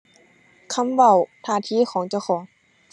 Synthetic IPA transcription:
kʰa˧˥˨mʋa˧˩wt̪ʰaː˧˩˨t̪ʰiː˧˥˨xʰɔː˨˦ŋt͡ɕa˧˩wxʰɔː˨˩˦ŋ

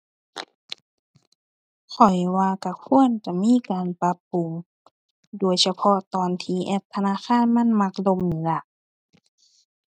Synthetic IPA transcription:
kʰɔ˨˩jwaː˧ka˧˩kʰu˧˥˨ənt͡ɕa˨˧˩miː˧˥˨kaː˨npa˧pːu˨ŋ | duː˨˩əjsa˧pʰɔ˧t̪ɔː˨nt̪ʰiː˧ʔɛ˧˩p̚t̪ʰa˧naː˧˥˨xaː˧˥˨nma˧˥˨nma˧k̚lo˧˨mnɯː˨˦la˧ʔ

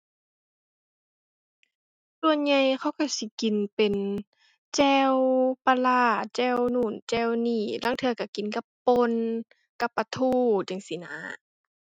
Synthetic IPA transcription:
su˧˨ənɲa˧˨jxʰa˧˥˨wka˧˩si˧˦ki˨npe˨n | t͡ɕɛː˧wpa˧laː˧˩t͡ɕɛː˧˥˨wnuː˧˩˨nt͡ɕɛː˧˩˨wniː˧˩laː˧˥˨ŋt̪ʰɯ˧ɐka˧˩ki˨˦nka˧˦pːo˧˨n | ka˧˦pːa˧t̪ʰuː˧˨t͡ɕa˨˧˦ŋsi˧˦na̰ː˧˦

